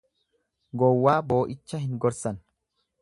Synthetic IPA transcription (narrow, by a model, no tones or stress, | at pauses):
ɡɔwːaːbo̞ːʔɪt͡ʃːɐhɪŋɡɔɾsɐn